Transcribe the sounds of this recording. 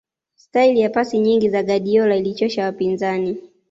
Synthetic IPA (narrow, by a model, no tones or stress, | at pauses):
stailijapasiɲiŋɡizaɠaɗiɔlailit͡ʃɔʃawapinzani